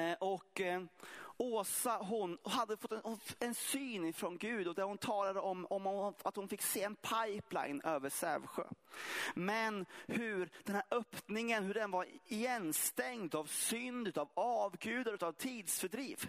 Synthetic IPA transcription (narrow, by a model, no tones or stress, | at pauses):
ʔɔk | oːsaɦʊnhad̪ːəfɔt̪ːɛɛnsyːnɪfɾɔnɡʉ̟ːd̪ɔd̪æɾhʊnt̪ʰɑːlad̪əɔmɔmat̪hʊnfɪkːseːɛnpʰajpla̰ɪnøːvəʂæ̰ɾvɧø̰ːmɛnhɵɾd̪ɛnhæːɾʔœpnɪŋənhɵɖɛnvaɾɪjɛnst̪ɛŋd̪avsʏnd̪ʉːt̪avɑːvɡʉ̟ːd̪aɾʉ̟ːt̪avt̪ʰiːd̪sfœɖɾiːv